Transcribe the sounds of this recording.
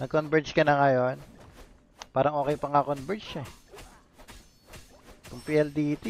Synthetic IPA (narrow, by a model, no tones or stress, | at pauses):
nɐɡkonbɛɹt͡ʃkɐnɐŋɐjon | paːɾɐŋʔoːkɛjpɐŋakonbɛɹt͡ʃɛ | k̪ʊŋpiʔɛld̪iːt̪i